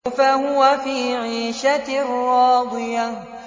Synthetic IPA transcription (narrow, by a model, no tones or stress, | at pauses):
faɦʊwafiːʕiːʃarːɑːd̪ˤɨja